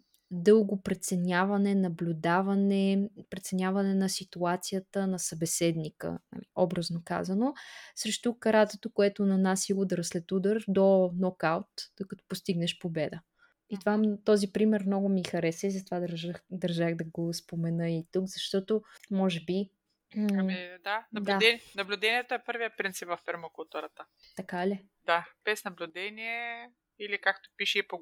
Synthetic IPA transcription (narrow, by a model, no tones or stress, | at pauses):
d̪ɤlˠɡʊpɾɛt̪sɛnʲavɐnɛnɐblʲʊd̪avɐnɛpɾɛt̪sɛnʲjavɐnɛnɐsit̪uat̪sijət̪ənɐsɐbɛsɛd̪nikə̰na̰liɔbɾɐznoka̰zɐnosɾɛʃt̪okɐɾat̪t̪ot̪okoɛt̪onɐnasiud̪əɾslɛt̪ud̪əɾd̪onɔkawt̪d̪̥okɐt̪ɔ̥post̪iɡnɛʃpobɛd̪ə | it̪ovamt̪ɔzipɾimɛɾmnɔɡʊmixɐɾɛsɛizɐt̪ovad̪ɐɾʒəxd̪ɐɾʒaxd̪ɐɡospomɛnɤit̪ukzɐʃt̪ɔt̪omɔʒɛbi | id̪anɐdblaɛnɐblʲʊd̪ɛniɛt̪oɛpɤɾvijəpɾint̪sipvɐfpɛɾmokulˠt̪uɾət̪ə | t̪ɐkali | d̪̥ab̥ɛsnɐblʲʊd̪ɛniɛ | ilikakt̪o̥piʃiipo